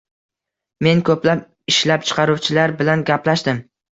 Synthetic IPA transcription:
me̞nkʰɵplap̚ | ɪʃlap̚t͡ʃʰɨ̥qʰɑɾuwt͡ʃʰɪlaɾbɪlanɡʲaplaʃd̪ɪm

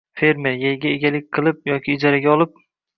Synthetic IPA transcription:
fe̞ɾme̞ɾjajɡʲaeɡʲalɪk̚ʲqʰɨlˠɪp̚jɒkʲʰɪːd͡ʒaɾaɡʲaɒlˠɪp̚

